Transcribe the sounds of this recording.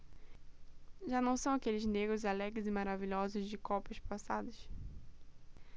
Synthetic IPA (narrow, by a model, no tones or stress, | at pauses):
ʒanɐ̃w̃sɐ̃w̃akelɪzneɡɾʊzalɛɡɪzɪmaɾaviʎɔzʊzd͡ʒɪkɔpɐʃpasad̪ɐs